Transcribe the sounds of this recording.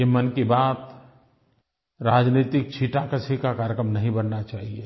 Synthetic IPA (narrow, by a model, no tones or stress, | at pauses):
kemənkibaːt̪ | ɾaːd͡ʒniːt̪ɪk̚t͡ʃʰiʈakət͡ʃʰekakaːɾjəkɾəmnɐɦĩbənːat͡ʃaːɦie